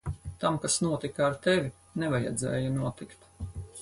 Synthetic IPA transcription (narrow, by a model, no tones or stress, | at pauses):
t̪amkasnuɔt̪ikaːɾt̪evʲi | nɛvaja̰d̪zɛ̰ːjunuɔt̪ikt̪